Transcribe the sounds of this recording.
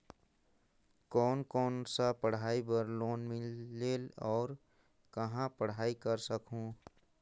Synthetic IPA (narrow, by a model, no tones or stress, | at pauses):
kɔːnkɔːnsapəɽ̤aːibəɾloːnmɪlːeːlɔːɾ | kɐɦãpəɽ̤aːikəɾsəkɦũː